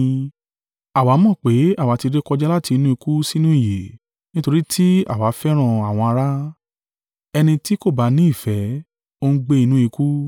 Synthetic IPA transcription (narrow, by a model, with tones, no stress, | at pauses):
a˨wa˨˦mɔ̃˦˨k͡pe˨˦a˦˨wa˨˦ti˧ɾe˦kɔ˧d͡ʒɛ˦la˦ti˧nũ˦i˧ku˦si˦nũ˦i˦˨je˨ | nĩ˦to˧ɾi˦tʰi˦a̰˦˨wa˨˦fɛ˦ɾ̃ã˦˨a˨w̃ɔ̃˧a˧ɾa˦ | ɛ˧nĩ˧ti˦ko˦˨ba˨˧˦nĩ˦i˦˨fɛ˨˦ | o˦˧n̩˦ɡ͡be˧i˧nũ˦i˧ku˦